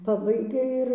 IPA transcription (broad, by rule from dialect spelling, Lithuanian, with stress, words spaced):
ˈpɑːbɐɪɡʲɛ ɪr